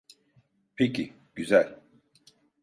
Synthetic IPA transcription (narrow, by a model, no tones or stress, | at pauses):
pʰecʰi | ɟ̥yzælʲ